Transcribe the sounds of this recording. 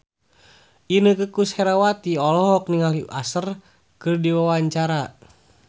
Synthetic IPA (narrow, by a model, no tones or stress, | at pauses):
ʔinəkəkushɛɾawat̪iɔlɔɦɔk̚niŋaliʔasər | kɨrdiwawaɲt͡ʃaɾa